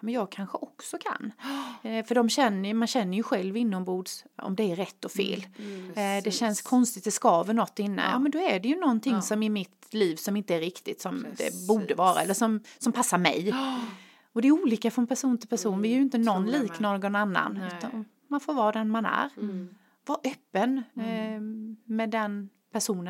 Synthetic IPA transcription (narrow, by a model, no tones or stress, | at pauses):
mɛnjɑːɡ̚kʰanɧəʔɔksɔkʰa̰nː | fœɖɔmɕɛnːəjmanɕɛnːəɾjɵɧɛlvɪnːɔmbuːd̪sɔ̰md̪ɛæɾːɛt̪ːɔfḛːl | d̪ɛɕɛnskʰɔnst̪ɪkt̪d̪ɛskɑːvənɔt̪ːɪnːə̰jɑ̰ːmɛnd̪ɔæɖɛjɵnɔnt̪ʰɪŋːsɔmɪmɪt̪liːvsɔmɪnt̪əæɾɪkt̪ɪt̪sɔmd̪ɛ̰buːɖəvɑːɾa̰ɛlːəʂɔmsɔmpʰasːaɾmɛ̰j | ɔd̪ɛːɾuːliːkafɾɔnpʰæʂuːnt̪ʰɪlpʰæʂuːnvɪɛɾjɵɪnt̪ənɔnːliːknɔɾɡɔnanːa̰nʉ̟ːt̪an | manfoːɾvɑːd̪ɛnmanæ̰ɾ | vaʔœpːən | mɛd̪ɛn | pʰæʂuːnə